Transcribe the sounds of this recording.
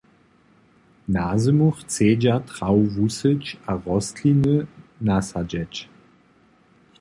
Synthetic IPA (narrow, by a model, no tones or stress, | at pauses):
naːzəmuxt͡seːd͡ʒatʁ̥awvusət͡ʃaʁɔstʰlinənasad͡ʒɛt͡ʃ